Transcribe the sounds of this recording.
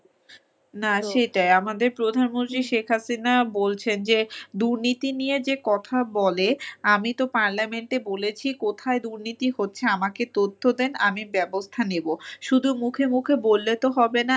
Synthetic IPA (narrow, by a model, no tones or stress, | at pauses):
naʃejʈajamad̪eɾpɾod̪ʱanmont̪ɾiʃekʰɦasinabolt͡ɕʰend͡ʑed̪uɾnit̪inijed͡ʑekɔt̪ʰabɔleamit̪opaɾlameɳʈebolet͡ɕʰikot̪ʰaed̪uɾnit̪ihotːɕʰeamaket̪ot̪ʰːod̪enamibɛbost̪ʰaneboʃud̪ʱumukʰemukʰebolːet̪oɦɔbena